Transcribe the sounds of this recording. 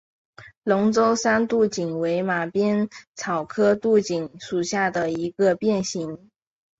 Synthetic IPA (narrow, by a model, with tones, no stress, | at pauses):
lʊ˧˥ŋt͡so˥ʊsa˥nt̪u˥˩t͡ɕi˨˩ŋwe˧˥ɪma˨˩pjɛ˥nt͡sʰɑ˨˩ʊkʰɤ˥t̪u˥˩t͡ɕi˨˩ŋʂu˨˩ɕja˥˩d̪ə˩i˧˥ɡə˧pjɛ˥˩nɕi˧˥ŋ